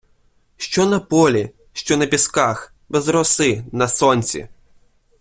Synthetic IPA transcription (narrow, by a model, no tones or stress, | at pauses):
ʃt͡ʃɔnɐpɔlʲi | ʃt͡ʃɔnɐpʲiskax | bɛzɾɔsɪnɐsɔnʲt͡sʲḭ